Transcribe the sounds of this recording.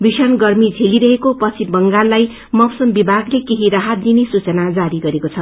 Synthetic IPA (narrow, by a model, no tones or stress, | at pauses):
bisʌnɡʌrmid͡zʱeliɾʌɦekopʌt͡sʰibʌŋɡalːaj | mʌwsʌmbibʱaɡlekeɦiɾaɦat̪̚d̪inesut͡sʌnad͡zaɾiɡʌɾekot͡sʰʌ